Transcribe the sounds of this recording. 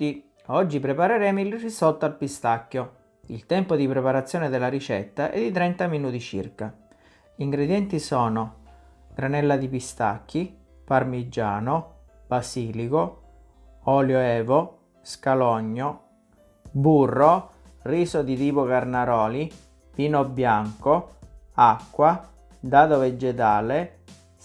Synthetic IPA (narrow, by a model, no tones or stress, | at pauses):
i | ɔd͡ʒːipɾepaɾeɾɛːmoilrisɔt̪ːoalpist̪akːo | ilt̪ɛmpod̪ipɾepaɾat̪sːjɔːned̪elːaɾit͡ʃɛ̰t̪ːaʔɛ̰d̪ːit̪ɾɛnt̪aminuːt̪it͡ʃḭrka | iŋɡɾed̪jɛnt̪isɔːno | ɡ̥ɾanɛlːad̪ipist̪a̰kːi | parmid͡ʒːaːno | b̥asiːliko | ɔːljoɛːvo | skalɔɲːo | burːo | riːsod̪it̪iːpokarnaɾɔːli | piːnobjaŋkoakːwa | d̪aːd̪oved͡ʒet̪aːle